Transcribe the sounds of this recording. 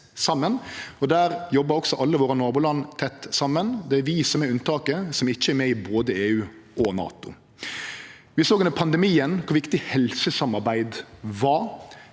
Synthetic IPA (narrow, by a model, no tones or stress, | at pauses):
sɑmːənɔd̪æːɾjɔbːəɾɔksɔʔɑlːəʋoːɾənoːbʊːlɑnːt̪ʰɛt̪ːsɑmːənd̪ɛæɾʋɪsɔmɛʉnt̪ɑːkəsɔmɪçːəɛɾmɛɪboːd̪əeːʉːʔɔnɑ̰ːt̪ʊ̰ | ʋɪsoːɡɛnəpʰɑnd̪ɛmiːənkʰʊɾʋɪkt̪ɪhɛlsəsɑmɑɾbæɪd̪ʋɑ